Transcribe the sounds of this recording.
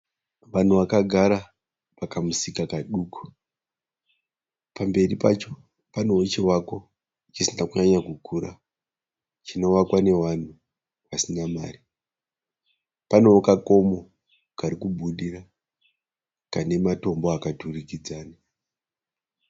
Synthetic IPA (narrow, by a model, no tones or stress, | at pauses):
ʋan̤uʋakaɡʱaɾa | pakamusikakaɗuːku̥ | pambe̞ripat͡ʃo̞ | pano̞ot͡ʃiwako̞ | it͡ʃisinakuɲaɲakukʰuːɾa̰ | t͡ʃino̞wakwane̞wan̤u | pasinama̰ːri | pano̞okako̞mo̞ | kaɾikubʱuɗira | kane̞mato̞mboakaturikid͡zaːna